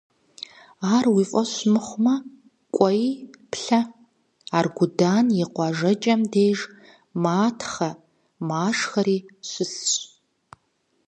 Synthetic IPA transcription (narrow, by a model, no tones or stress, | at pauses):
aːrwiːfʼɐɕmɨχʷʊmɐ | kʷʼɔjipʰɬɐ | aːrɡʷʊdaːnjɛqʷɑʒɐt͡ʃʼɐmdeːʒ | maːtʰχɐ | maːʂxɐɾiːɕʷɪsɕʼ